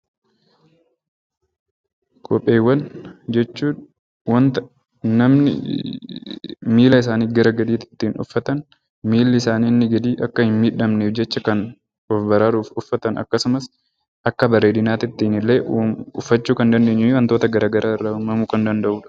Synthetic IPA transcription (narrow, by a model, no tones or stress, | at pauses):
kʰʼɔpʼːe̞ːwːɐnd͡ʒɛt͡ʃːuːᶑ | wɐnt̪ɐ | nɐmnɪ̰ | miːlɐɪs̬aːniːɡɐɾɐɡɐd̪iːt̪ɪ̥t̪ːiːnʊ̰fːɐt̪ɐn | miːlːɪɪsaːniːnːɪɡɐd̪iːʔɐkːɐhɪnmiːᶑɐmneːfd͡ʒɛt͡ʃːɐkɐn | ɔfbɐɾaɾuːfʊfːɐt̪ɐnɐ̰kːɐsʊmɐs | ʔɐkːɐbɐɾeːd̪ɪnaːt̪ɪt̪ːiːnɪlːeːʔʊfːɐt͡ʃːuːkɐnd̪ɐnd̪eːɲːɪwɐnt̪o̞ːt̪ɐɡɐɾʔaːɡɐɾʔaːɪrːɐʊmɐmuːkɐnd̪ɐnd̪ɐʔuːᶑɐ̥